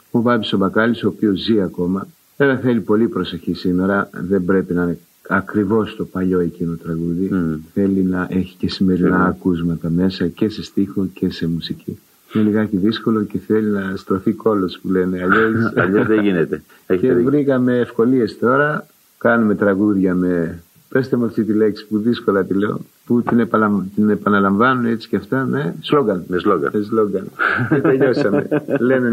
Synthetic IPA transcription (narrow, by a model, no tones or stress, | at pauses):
o̞bɐbisobɐkɐliso̞ːpio̞zːiɐko̞mɐ | elɐθelipo̞lipɾo̞se̞çisime̞ɾɐðe̞mbɾe̞pinne | ɐkɾivo̞st̪o̞pɐʎo̞e̞cino̞t̪ɾɐɣuðiθe̞linɐʔe̞çi̥ce̞sime̞ɾinɐːkuzmɐt̪ɐme̞sɐce̞se̞st̪ixocʰe̞se̞musici | ineliɣɐciðisko̞lo̞ce̞θe̞linɐst̪ɾo̞θiko̞lo̞spule̞ne̞ɐʎesɐ̰ʎozðeʝinet̪e | eçevɾikɐme̞ːfko̞lie̞st̪o̞ɾɐ | kɐnume̞t̪ɾɐɣuðʝɐme̞ | pest̪emuɐft̪it̪ile̞ksi̥puðisko̞lɐt̪ile̞o̰ | put̪inepɐɐt̪ine̞pɐnɐlɐɱvɐnunet͡ssi̥ceɐft̪ɐme̞zlo̞ɡɐnmesloɡɐ̰mesloɡɐnet̪eʎo̞sɐme̞̰lene